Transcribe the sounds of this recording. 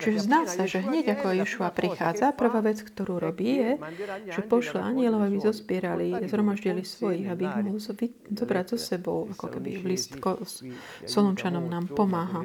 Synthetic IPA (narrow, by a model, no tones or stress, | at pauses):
t͡ʃiʒɛzd̪aːsaʒɛɦɲɛɟakɔajɛʃuapɾixaːd͡zapr̩ʋaːʋɛt͡skt̪ɔɾuːɾɔbiːjɛʒ̥ɛpɔʃlaʔaɲɪɛlɔʊabizɔspɪɛɾalizɦɾɔmaʒɟilisʋɔjiɣabiiɣmɔɦɦlʋi | zɔbɾaɟzɔsɛbɔʊakɔkɛbḭʋlist̪kɔ | sɔlunt͡ʃanɔmnaːmpɔmaːɦa